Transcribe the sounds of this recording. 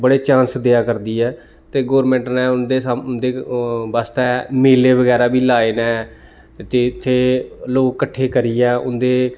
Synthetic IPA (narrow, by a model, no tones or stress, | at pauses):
bəɽeːt͡ʃansd̪eːaːkəɾd̪iːɛː | t̪eːɡoːɾmɛ̃ːɳʈnɛːʊnd̪eːsmʊnd̪eːʋaːst̪ɛːmeːleːʋəɡɛːɾaːbiːlaːeːnɛː | t̪eːɪt̪ʰːeːloːkːəʈʰːeːkəɾiːɛːʔʊ̰nd̪eː